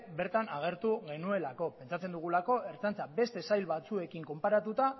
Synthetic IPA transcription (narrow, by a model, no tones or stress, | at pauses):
be̞ɾt̪anaɣ̞e̞ɾt̪uɣe̞nue̞lako̞pe̞nt͡sat͡se̞nd̪uɣ̞ulako̞ʔe̞ɾt͡sant͡sabe̞st̪e̞sajlβat͡sue̞kiŋko̞mpaɾat̪ut̪a